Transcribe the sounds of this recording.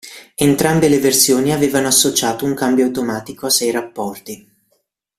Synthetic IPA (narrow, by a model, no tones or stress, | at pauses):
ent̪ɾambeleversjoːniaveːvanoasːot͡ʃaːt̪ouŋkambjoawt̪omaːt̪ikoasɛjɾapːɔrt̪i